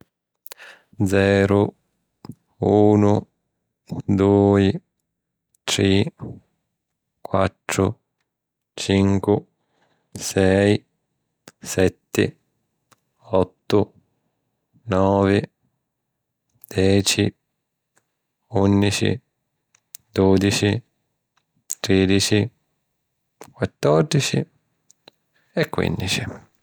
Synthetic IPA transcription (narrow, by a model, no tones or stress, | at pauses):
d̪zɛːɾu | uːnʊ | d̪uːi | t̪ɾi | kwa̰t̪ːɾʊ̰ | t͡ʃiŋkwɪ | sɛj | sɛt̪ːɪ̰ | ɔt̪ːʊ | nɔːvɪ | d̪̥ɛːt͡ʃi | unːit͡ʃḭ | d̪od̪it͡ʃi | t̪ɾeːd̪it͡ʃi | kwat̪ːɔrd̪it͡ʃḭ | ɛkːwḭnd̪it͡ʃi